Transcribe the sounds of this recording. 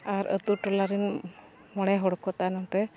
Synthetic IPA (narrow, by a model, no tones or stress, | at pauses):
aɾə̰t̪uʈɔlaɾin | mɔɽɛɦɔɽɔkɔt̪anamt̪ɛ